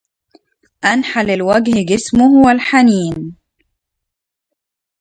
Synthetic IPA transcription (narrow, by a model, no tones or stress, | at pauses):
ʔanħalɪlwaɡhɡɪsmʊhwalħaniːn